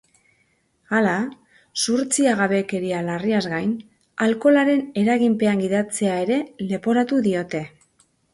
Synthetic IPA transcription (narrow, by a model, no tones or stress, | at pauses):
ala | suɾt͡siaɣaβe̞ke̞ɾialariazɣajn | alko̞laɾe̞ne̞ɾaɣimpe̞aŋɡiðat͡se̞ae̞ɾe̞le̞po̞ɾat̪uðio̞t̪e̞